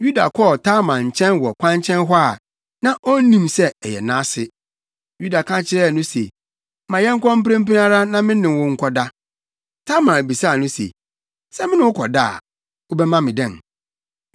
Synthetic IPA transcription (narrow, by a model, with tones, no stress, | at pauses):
ju˦da̰˨kʰɔ˦˨tʰa˦mã˨ɲ̩˨t͡ɕʰɛ̃˦nwɔ˨kʷʰã˦ɲt͡ɕʰɛ̃˦nɦʊ˦a˦˨ | nã˦ʔɔ˦n̩˦nĩ˦msɛ˦ɛ˨jɛ̰˨nãː˦sɪ˦ | ju˦da˨kʰã˦t͡ɕʰɪ˦ɾɛ˦˨nʊ̃˦se˨˦ | mã˨jɛ˦ŋ̩˦kʷʰɔ̃˦m̩˦pɾẽ˦mpi˦na˦ɾa˦nã˦mɪ̃˦nɪ̃˨mwʊ̃˦ŋ̩˦kʷʰɔ˦da˦ | tʰa˦mã˨bi˨sa˦˨nʊ̃˦sḛ˨ | sɛ˦mɪ̃˦nʊ̃˦wʊ˦kʰɔ˨da˦˨a̰˨ | ʊ˦bɛ˦mã˦mɪ̃˨dɛ̃˦˨n